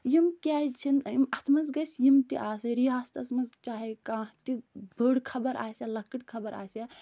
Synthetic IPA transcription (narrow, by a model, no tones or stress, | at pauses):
jimkʲaːt͡ʃʰinimɐt̪ʰmɐzɡɐsjimt̪iʔaːsɐɾiaːst̪ɐt̪ʰmɐzt͡ʃaːɦikãːt̪ibʱəːɽkʰɐbɐɾʔa̰ːsalɐkɨʈkʰɐbɐɾa̰ːsa